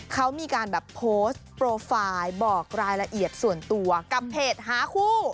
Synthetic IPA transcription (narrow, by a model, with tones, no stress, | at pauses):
kʰa˦˥wmiː˧kaː˧nbɛː˨˩pʰoː˦˥st̪̚pɾoː˧faː˧jbɔː˨˩k̚ɾaː˧jɾa˧ʔi˨˩ət̪̚su˨˩ənt̪u˧ɐka˨˩pʰːeː˨˩t̪̚haː˩˦kʰuː˥˩